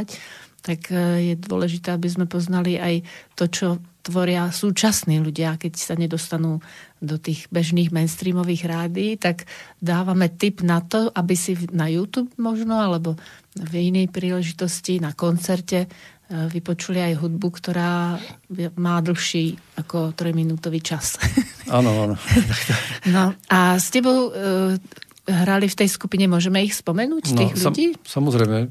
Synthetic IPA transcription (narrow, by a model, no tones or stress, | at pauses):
ct̪akjɛd̪ʊɔ̰lɛʒit̪ɛːabizmɛpɔznaliʔajt̪ɔt͡ʃɔt̪ʋɔɾɪasuːt͡ʃasniːluɟɪakɛcsaɲɛd̪ɔst̪anuːd̪ɔt̪iːɣbɛʒniːɣmɛnst̪ɾiːmɔʋiːɣɾaːd̪iːt̪aɡd̪aːʋamɛt̪ibnat̪ɔʔabisinajuːt̪uːbmɔʒnɔalɛbɔ | vinɛjpɾiːlɛʒit̪ɔscinakɔnt͡sɛɾcɛ | ʋipɔt͡ʃuliajɦud̪̚bukt̪ɔɾaː | maːd̪l̩ˠxʃiːakɔt̪ɾɔjminuːt̪ɔʋiːt͡ʃasaːnɔanɔakt̪ɔnɔʔascɛbɔʊ | ɦɾalift̪ɛjskupiɲɛmʊɔʒɛmɛixspɔmɛnuːct̪iːɣʎuɟiːsamɔzɾɛjmɛ